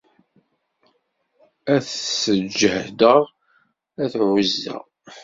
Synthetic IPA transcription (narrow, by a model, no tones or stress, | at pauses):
æθsəd͡ʒːəhd̪əʁ | æθʕəzːæ̰